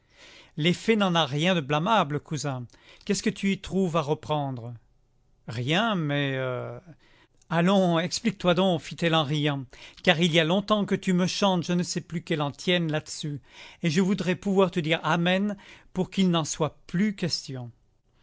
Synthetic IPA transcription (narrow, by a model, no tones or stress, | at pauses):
lefɛnɑ̃naʁjɛ̃d̪əblamabləkʰuzɛ̃ | kʲɛskət̪yit̪χuvaʁəpχɑ̃d̪ʁə | ʁjɛ̃mɛø | alɔ̃ɛksplik̚t̪wad̪ɔ̃kfit̪ɛlɑ̃ʁijɑ̃kaʁilialɔ̃t̪ɑ̃kət̪yməʃɑ̃t̪ʒənəsɛplykɛlɑ̃t̪jɛnlad̪əsyeʒəvud̪ʁɛpuvwaʁt̪əd̪iʁamɛnpuʁkilnɑ̃swaplykʲɛst̪jɔ̃